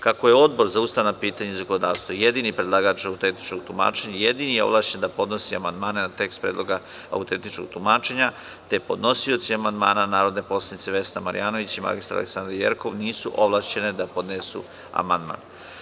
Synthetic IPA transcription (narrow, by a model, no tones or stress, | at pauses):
kakojeo̞d̪bo̞ɾzaust̪aːnapiːt̪aɲeizakonod̪aːʋst̪vojed̪inipɾed̪lˠaɡat͡ʃaut̪ent̪i̥t͡ʃkoɡ̚t̪uma̰ːt͡ʃeɲajed̪inijeoʋlˠaʃt͡ɕend̪apo̞d̪no̞siamand̪maːne̞nat̪e̞kst̪pɾeːd̪lˠo̞ɡa | a̰ut̪e̞nt̪it͡ʃkoɡ̥t̪umaːt͡ʃe̞ɲa | t̪epo̞d̪no̞sio̞t̪siamand̪maːnanaːɾo̞d̪ne̞po̞slˠanit̪seʋe̞snama̰ɾḭjaːno̞ʋit͡ɕima̰ɡɡist̪aɾa̰l̰ḛksand̪ɾaɾjḛɾkoʋniːsuʔo̞ʋlˠaʃt͡ɕe̞ned̪apo̞d̪nesṵ | a̰mand̪ma̰ːn